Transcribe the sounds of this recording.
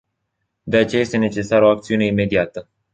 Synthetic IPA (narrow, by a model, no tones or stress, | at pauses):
d̪e̞at͡ʃejaje̞st̪e̞ne̞t͡ʃe̞saɾəoakt̪siune̞ime̞d̪iat̪ə